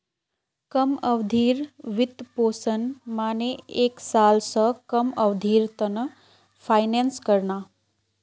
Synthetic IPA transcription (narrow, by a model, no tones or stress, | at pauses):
kəməʋd̪ʱiːɾʋɪt̪poːsənmaːneeːksaːlsəkəməʋd̪ʱiːɾt̪ən | pʰaːɪnẽnskəɾnaː